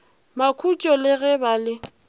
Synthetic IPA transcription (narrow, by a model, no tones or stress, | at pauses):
makʰut͡ʃʼɔlɪɣɛbalɪ